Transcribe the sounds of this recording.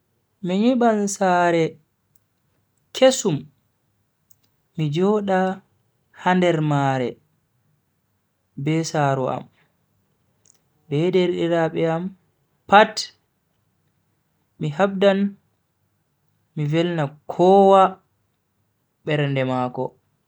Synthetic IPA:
miɲiɓansaːɾɛ | kʰesum | id͡ʒɔːɗa | handɛɾmaːɾɛ | bɛsaɾua̰m | bɛdeɾɗiɾaɓɛam | pat | mihabdan | mivɛlnakʰɔːwa | ɓɛɾndɛmaːkɔ̰

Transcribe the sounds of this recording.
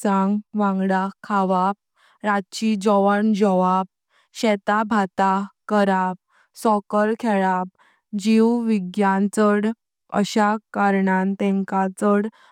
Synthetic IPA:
t͡sãŋɡʋãŋɡɽakʰaʋap̚ | ɾatt͡ɕid͡ʑɔʋəɳd͡ʑɔʋap̚ | ɕɛt̪abʱat̪akəɾap̚ | sɔkəɾkʰɛɭap̚ | d͡ʑiwʋiɡjant͡səɽ | ə̰ɕakaɾɳãnt̪ɛ̃ŋkat͡səɽ

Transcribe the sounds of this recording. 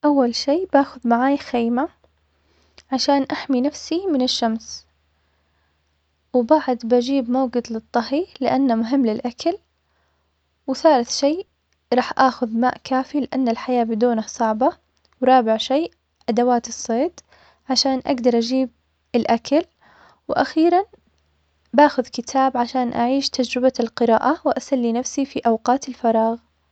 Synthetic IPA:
ʔawːalʃiːbaːxʊðmaʕaːjxeːma | ʕaʃaːnʔaħminafsimɪnɪʃːams | wɪbaʕd̪bad͡ʒiːbmawɡɪd̪lɨt̪ˤːɑɦilɪʔanːamʊɦɪmːlɪlʔakʰal | wθaːlɪθʃeː | ɾˤɑːħʔaːxʊðmaːʔkaːfilɪʔanːɪlħajaːbɪd̪uːnasˤɑʕbɑ | wɾˤɑːbɪʕʃeː | ʔad̪awaːt̪ɨsˤːeːt̪ˤ | ʕaʃaːnʔa̰ɡd̪ɑɾˤʔad͡ʒiːb̚ | ɪlʔakal | wʔaxiːɾˤan | baːxʊðkɪt̪ʰaːbʕaʃaːnʔaʕiːʃt̪ad͡ʒɾɪbalqɨɾɑ̰ːʔawɪʔasalːinafsifiʔawqɑːt̪ɪlfɑɾˤɑːɣ

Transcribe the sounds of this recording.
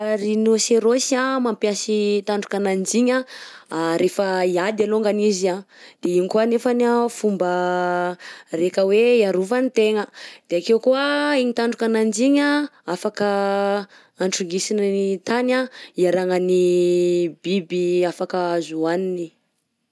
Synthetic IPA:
ɾinoseɾosiamampjasit̪aɳɖ͡ʐukanand͡ziɲaaɾefəiad̪aloŋɡaniziad̪̥eiŋikuanefanafumbə | rekəweiaɾuvanit̪eŋəd̪̥eakewkuəiɲit̪aɳɖ͡ʐukanand͡ʒiɲaafakə | aɳʈ͡ʂuŋɡisinnit̪anaiaɾaŋəni | bibiafakəzuanini

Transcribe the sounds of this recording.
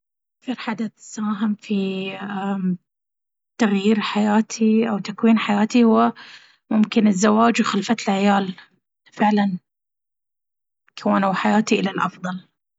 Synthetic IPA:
ʔʔʔakθɑɾħad̪aθsaːɦɪmfia | t̪aɣjiːɾħajaːt̪ʰiʔawt̪akwiːnħajaːt̪ihʊwːa | mʊmkɪnɪzːawaːd͡ʒwxalfat̪ɪlʕɪjaːl | fɪʕlan | kʰawaːnawħajaːt̪iʔɪlalʔɑfðˤɑl

